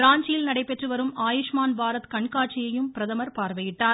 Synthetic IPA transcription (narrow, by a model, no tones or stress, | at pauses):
ɾaːɲd͡ʒɪjɪlnɐɽɐɪpːɛʈrɯʋɐɾɯmaːjɪʂmaːnbʱaːɾɐt̪kɐɳkaːʈ̚t͡ʃɪjɐjɯmpɪɾɐðɐmɐɾpaːɾʋɐjɪʈːaːɾ